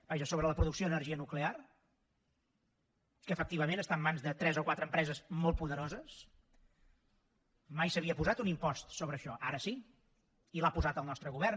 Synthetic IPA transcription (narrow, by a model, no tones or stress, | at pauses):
b̥aʒəsoβɾələpɾuðuksijoənəɾʒiənuklear | kəːfək̚t̪iβ̞əmẽnəst̪amːanzðət̪ɾɛzokwat̪ɾəmpɾɛzəzmɔlˠt̪̚puðəɾozəs | majsəβiəpuzat̪unimpɔst̪soβɾəːʃɔʔa̰ɾəsi | ilapuzat̪əlˠnɔst̪ɾəɣuβɛr